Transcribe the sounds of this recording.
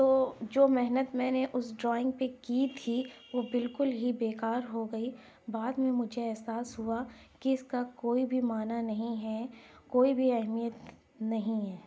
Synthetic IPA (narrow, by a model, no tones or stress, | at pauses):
t̪oːd͡ʒoːmɛɦnət̪mɛ̃ːneʔʊsɖɾɔːɪ̃ŋɡ̚pekiːt̪ʰiʋoːbɪlkʊlɦibeːkaːɾɦoɡɐiː | baːd̪mẽmʊd͡ʒʱeɛɦsaːsɦua | kiɪskakoːibʱimaːnanɐɦĩɦɛːkoːibʱiɛɦmijət̪ | nɐɦĩɦɛː